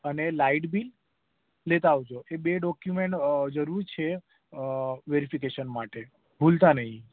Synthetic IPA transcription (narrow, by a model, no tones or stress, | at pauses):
ənelaiʈbilː | et̪aːʋod͡ʒoʔebeɖɔkjumeɳʈd͡ʒəɾuɾt͡ʃʰe | ʋeɾifikeʃənmaʈe | bʱult̪anəɦĩ